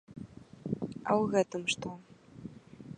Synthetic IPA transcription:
ɐ̰wɣɛt̪ɨmʂt̪ɔ

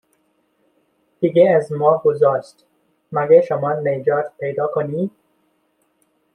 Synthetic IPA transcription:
d̪̥iɡeæzmɒːɡozɒːʃt̪ | mæɡeʃomɒːned͡ʒɒːt̪pʰejd̪ɒːkʰoniːd̪

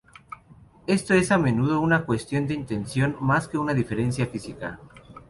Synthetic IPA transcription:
e̞st̪oe̞samẽ̞nuð̞o̞unakwe̞st̪jo̞nd̪e̞int̪e̞nsjo̞nmaske̞unaðife̞ɾe̞nsjafisika̰

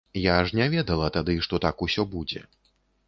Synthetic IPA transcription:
jaʂnʲavʲɛd̪ɐlˠɐt̪ad̪ɨʂt̪ɔt̪akusʲɔbud͡zʲɛ̰

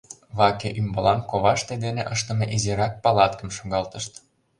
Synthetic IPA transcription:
βɑkeʔymbɤlɑnkoβɑʃt̪ed̪eneʔɤʃt̪ɤ̆meʔizeɾɑk̚pɑlɑt̪kə̆mʃoɡɑlt̪ə̆ʃt̪

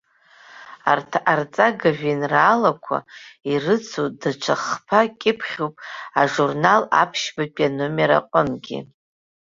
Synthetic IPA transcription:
artʰaʔart͡sʼaɡaʒᶣinraːlakʷʰa̰irɨt͡sʰudaʈ͡ʂʷʰaχpʰakʲʼɪpʰχʲopʼaʐurnala̰pʰʃbapʼanomeɾa̰qʷʼʊmɡʲḭ

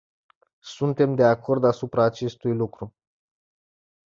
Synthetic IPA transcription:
sunt̪e̞md̪eako̞rd̪asupɾaːt͡ʃe̞st̪ujlukɾu

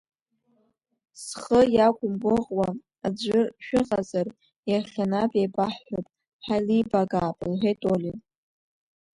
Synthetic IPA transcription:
sχəjakʷʼʊmɡʷʊʁwa | ad͡ʒʷɨʃᶣɪʁʼazar | jaχʲanapʼejbaħħopʼ | ħalibaɡaːpʼlħʷetʼoli

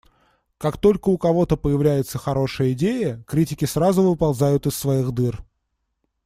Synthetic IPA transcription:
kakt̪o̞lʲkəʊkɐvo̞t̪əpəjɪvlʲæjɪt̪səxɐɾo̞ʂɨjəɪdʲejəkɾʲitʲɪkʲɪsɾazʊvɨpɐlˠzajʊt̪ɪsːvɐixd̪ɨr

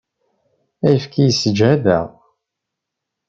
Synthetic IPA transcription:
æjəfkijəsəd͡ʒæðæ̰ʁ

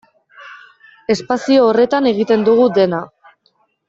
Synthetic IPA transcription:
e̞spasio̞ːre̞t̪ane̞ɣ̞it̪e̞nd̪uɣ̞ud̪e̞na

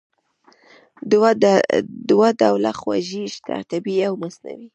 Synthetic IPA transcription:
d̪wad̪awlaxwa̰ʒiʃt̪a̰t̪abiawmasna̰wi

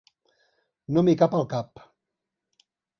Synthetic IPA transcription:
nomikapəlˠkap

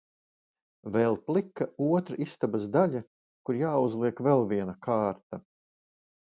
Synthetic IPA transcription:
vɛlˠplˠikːauɔt̪ɾaʔist̪abasd̪aʎa | kuɾjaːuzlˠiɛkvɛlˠviɛnakʰaːɾt̪a

